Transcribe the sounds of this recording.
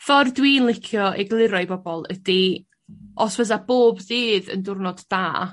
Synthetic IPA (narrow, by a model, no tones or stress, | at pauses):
fɔrdwiːnlˠɪkʰjɔʔɛɡlˠɪɾɔɨbɔbɔlˠəd̥i | ʔɔsvəs̬ab̥oːbðɨːðə̰ndʊrnɔdːaː